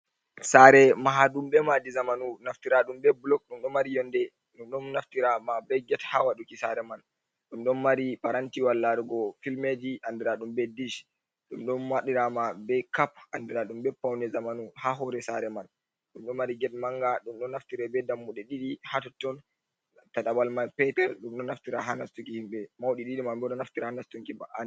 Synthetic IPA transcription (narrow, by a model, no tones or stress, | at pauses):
saɾɛmaɦaɗumɓɛmad͡ʒizamanunaftiɾaɗumbɛblɔk̚ɗumɗɔmaɾijɔndɛ | ɗumɗɔnnaftiɾamabɛjɡɛthawaɗukisaɾɛman | ɗumɗɔnmaɾipaɾantiwalːaɾuɡɔfilmed͡ʒiʔandɛɾaɗumbɛdiʃ | ɗumɗɔnmaɗiɾamabɛjkapandɛɾaɗumbɛpːawnɛzamanuhaɦɔɾɛsaɾɛman | ɗumɗɔnmaɾiɡɛt̚maŋɡaɗumɗɔnːaftiɾɛbɛdamːuɗɛɗiɗihatɔtːɔn | taɗabalmanpɛtɛɾɗumɗɔnaftiɾaɦanastukihimɓɛmawɗiɗiɗimambɛɗɔnaftiɾahanastuŋkibaʔan